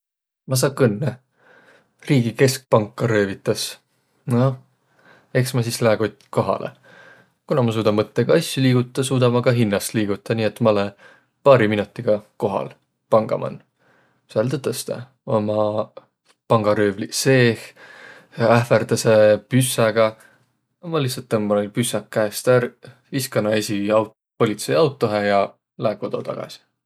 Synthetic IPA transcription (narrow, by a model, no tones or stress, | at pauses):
mɑs̬ɑːkːɯnːe | riːɡ̥ike̞sk̚pɑŋkːɑɾø̞ːvit̪ːˑɑs | no | e̞ksmɑsislæɡ̥ot̪ʲːko̞ɦɑ̰lḛ | kunɑmɑs̬uːd̪ɑmɤt̪ːeɡ̥ɑɑsʲjuliːɡ̥ut̪ːˑɑsuːd̪̥ɑmɑɡ̥ɑɦinːɑst̪liːɡ̥ut̪ˑːɑniːet̪ːmɑle | pɑːɾiminut̪ˑːiɡ̥ɑko̞ɦɑ̰l | pɑŋɡ̥ɑ̰mʔɑ̰n | selt̪et̪ːˑest̪ɑ̰ | o̞mɑ | pɑŋɡ̥ɑɾøːvlise̞ːh | æhferd̪̥ɑsepysːɑɡ̥ɑ | ɑmɑlihsɑt̪ːˑemmɑolpysɑkːæest̪æɾ | iskɑnɑesʲiɑw | po̞lʲit̪sejɑwt̪ːˑo̞ɦejɑ | læeko̞d̪o̞t̪ɑ̰ɡ̥ɑ̰si̥